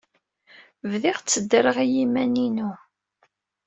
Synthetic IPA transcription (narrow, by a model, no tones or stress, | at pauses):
vðiʁt͡sːəd̪ːəɾəʁijimæninu